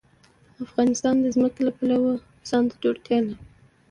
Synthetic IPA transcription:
afɣɑnɪst̪ɑnd̪əzməkelapalawə | sɑnt̪ad͡ʒoɽt̪jɑla

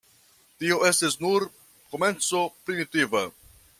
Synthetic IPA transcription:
tio̞e̞stisnuɾ | ko̞me̞nt͡so̞pɾimitiva

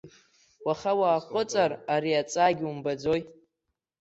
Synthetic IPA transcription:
waχawaːχʷʼʊt͡sʼaraɾiat͡sʼaːɡʲumbad͡zoj

